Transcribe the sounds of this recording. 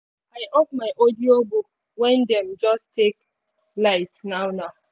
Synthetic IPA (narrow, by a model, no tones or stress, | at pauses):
aɪʔok̚maɪʔodiobuk | wɛ̃ndɛm̩d͡ʒɔstek | laɪtnaʊnaʊ